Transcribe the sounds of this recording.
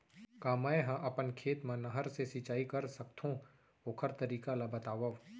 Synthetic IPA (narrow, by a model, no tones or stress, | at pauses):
kaːmaːeɦãʔɐpənkʰeːt̪mãnɐɦəɾsesit͡ʃaːikɐɾsɐkt̪ʰõ | oːkʰəɾt̪əɾiːkalabɐt̪aːʋəʋ